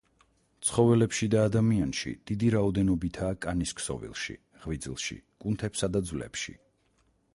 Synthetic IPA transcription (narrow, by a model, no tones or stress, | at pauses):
t̪sʰχɔvɛlɛpʃid̪aːd̪amianʃḭd̪̥id̪iɾaɔd̪ɛnɔbit̪ʰaːkʼaniskʰsɔ̰vḭlˠʃḭ | ʁvid̪zilˠʃḭkʼunt̪ʰɛpsad̪ad̪zvlɛ̰pʃḭ